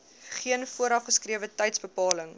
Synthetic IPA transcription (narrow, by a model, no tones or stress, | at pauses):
χiənfuəɾɐfχəskrɾiəvətɛjtsbəpɑːləŋ